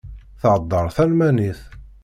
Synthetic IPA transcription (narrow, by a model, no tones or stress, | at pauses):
θʕəd̪ˤːəɾˤθælmæniθ